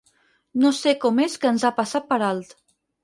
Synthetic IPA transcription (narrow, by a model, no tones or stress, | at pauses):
nosekɔmeskəːnzapasat̪̚pəɾalˠt̪